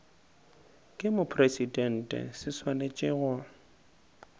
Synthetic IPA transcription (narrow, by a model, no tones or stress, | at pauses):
kʼɪmʊpʰresidɛn̩tʼɛ̰sɪswanet͡ʃʼɪɣʊ